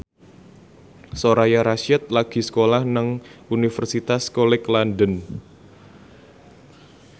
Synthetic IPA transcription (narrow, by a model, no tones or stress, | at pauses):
soɾajaɾaʃɛt̪̚laɡ̥i̤sə̥kolahnəŋunifərsit̪askolɛklandən